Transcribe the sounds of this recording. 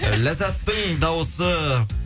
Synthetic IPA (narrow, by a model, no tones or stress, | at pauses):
læzæt̪ːɪŋd̪ɑwosə